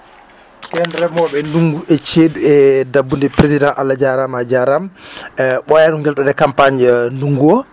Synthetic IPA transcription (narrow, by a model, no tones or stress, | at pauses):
kɛndɾɛmɔɓɛnuŋɡuʔɛt͡ʃeːduɛdabːundɛpɾezidãnʔalːad͡ʒaɾamad͡ʒaɾam | ɓɔjaɗuŋɡɛltadɛkampaɲnuŋɡuɔ